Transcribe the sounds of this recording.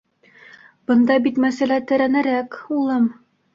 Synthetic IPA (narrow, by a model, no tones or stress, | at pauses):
b̥ɤ̆nd̪ɑbit̪mæsælæt̪ɘ̆ɾænɘ̆ɾækulˠɤm